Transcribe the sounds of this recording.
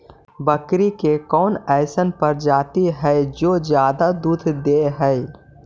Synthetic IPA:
bəkɾikekɔːnɛːsənpɐɾd͡ʒaːt̪iɦɛed͡ʒoːd͡ʒjaːd̪ad̪uːd̪ʰʱd̪eːɦɛɪ

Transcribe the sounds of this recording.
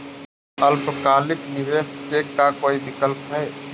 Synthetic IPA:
əlpəkalɪkniʋeskekakoːid̪ɪkəlpɦɛe

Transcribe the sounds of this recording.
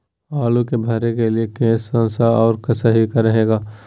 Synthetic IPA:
aːlukebʱaɾekeliekẽːsə̃nsaɔːɾkɐsaɦikaɾɐɦeːɡaː

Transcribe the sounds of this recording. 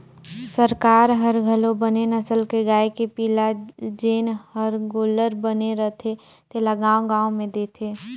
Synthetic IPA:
səɾkaːɾɦəɾɡʱəlõbənenəsəlkeɡaːekepiːlad͡ʒeːnhəɾɡoːləɾbəneɾət̪ʰe | t̪elaɡãːõɡãːõmẽd̪eːt̪ʰeː

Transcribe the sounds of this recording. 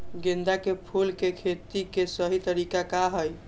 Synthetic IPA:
ɡend̪akepʰulkekʰet̪ikesəɦit̪əɾikakaɦəj

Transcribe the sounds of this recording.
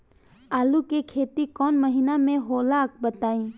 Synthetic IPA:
aːlukekʰeːt̪ikɔːnməɦinamẽɦoːlaːk̚bət̪aːĩː

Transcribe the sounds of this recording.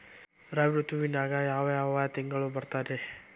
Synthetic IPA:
rabɾut̪uwinaɡajaweawat̪iŋɡalobərt̪adɛh

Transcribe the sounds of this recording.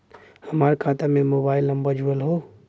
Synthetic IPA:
həmaːɾkʰãːt̪amẽmoːbaːɪləmbəd͡ʒuəlɦo

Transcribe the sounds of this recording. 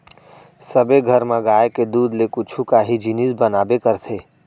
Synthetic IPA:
səbeɡʱəɾmãɡaːeked̪uːd̪lekʊt͡ʃʰukaɦid͡ʒinisbənaːbekəɾt̪ʰeː

